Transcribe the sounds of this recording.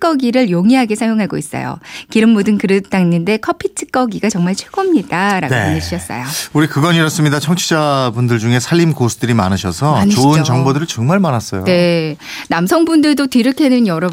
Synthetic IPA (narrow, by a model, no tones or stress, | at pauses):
k͈ʌɡiɾɯɭjoŋiɦaɡe̞sʰajoŋɦaɡois͈ʌ̰jo̰kiɾɯmmodɯnkɯɾɯt͈aŋinːɯnde̞kʰʌpʰitʰɯ̥k͈ʌɡiɡat͡ɕʌŋmaɭt͡ɕʰweɡʌmɲidaɾa̰ɡounɯɕ͈ʰiʌs͈ʌ̰jouɾikɯɡʌɲiɾʌs͈ɯmɲidat͡ɕʰʌŋt͡ɕʰid͡ʑabundɯɭd͡ʑuŋe̞sʰaʎːimkosʰu̥d̥ɯɾima̰nɯɕʰʌsʰʌaɲit͡ɕoɯnt͡ɕʌŋbodɯɾɯɭt͡ɕʌŋmaɭmanas͈ʌ̰jone̞ | namsʰʌŋbundɯɭdotiɾɯkʰe̞nɯnjʌɾʌ